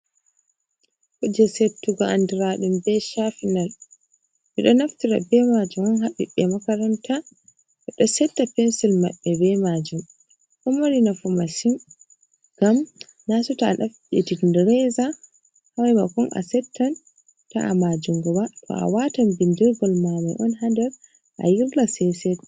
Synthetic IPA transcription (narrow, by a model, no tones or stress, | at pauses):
kɔd͡ʒɛsetːuɡɔʔandiɾaɗumbɛʃafinal | ʔiɗɔnaftiɾa̰bɛmad͡ʒumanɦaɓiɗːɛmakaɾantʰa | ʔɛɗɔsɛtːapɛnsilma̰ɓːɛbɛmad͡ʒum | kɔmaɾinafumasin | ɡ̥am | nasutanaf | ɛ̰tindɾɛza | hawɛmakɔnʔa̰sɛtʰːan | ta̰a̰mad͡ʒumɡɔwatʰɔ̰ʔa̰watambindɛɡɔlmamɔjʔɔnhandɛɾ | ʔa̰jiɾlasɛsɛɡɔ